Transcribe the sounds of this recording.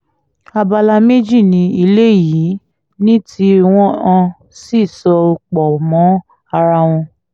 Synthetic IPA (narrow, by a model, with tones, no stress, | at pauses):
a˧ba˧la˧me˦d͡ʒi˦˨nĩ˨˧˦i˧le˦ji˨˦ | nĩ˦tʰi˧˦w̃ɔ̃˦ã˧ | si˦˨sɔ˧o˧k͡pɔ˨mɔ̃˨˦ | a˧ɾa˧w̃ɔ̃˧